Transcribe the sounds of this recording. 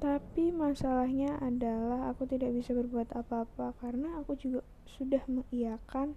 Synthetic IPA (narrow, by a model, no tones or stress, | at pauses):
t̪apimasalahɲaʔadalaɦakut̪idaʔ̚bisabərbuat̪apaːpakaɾənaːkud͡ʒuɡa | sudahməŋijakan